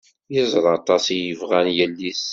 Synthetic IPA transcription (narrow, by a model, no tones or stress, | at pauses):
jəzˤɾˤɑt̪ˤɑsijəvʁænjəlːis